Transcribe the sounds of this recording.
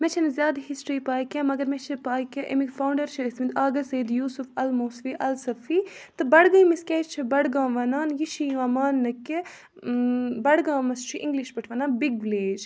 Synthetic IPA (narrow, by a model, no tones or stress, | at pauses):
mɛt͡ʃʰɐnɐzʲjaːd̪hisʈɾiːpaːjkʲẽːmɐɡɐɾmɛt͡ʃʰipaːkʲẽʔɐmikfaːwɳɖɐɾt͡ʃʰɐismind̪aːɡɐseːd̪juːsufɐlmoːst̪ʋiʔɐlsɐfiːt̪ɨbɐɽɡɐ̃miskʲɛːt͡ʃʰibɐɽɡãːʋɐnaːnjiʃijũɐmaːnːɐkːi | bɐɽɡãːmɐst͡ʃʰiʔĩŋɡliʃbɐʈʰʋɐnaːnbiɡʋileːd͡ʒ